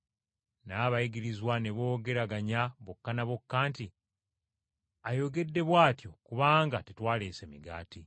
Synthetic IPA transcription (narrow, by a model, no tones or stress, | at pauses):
naβaiɡiɾizwaneβo̞ːɡe̞ɾaɡaɲaβokːanaβokːaːnti | ajo̞ɡe̞dːe̞βwaːtjo̞kuβaːŋɡatetwaːleːse̞miɡa̰ːti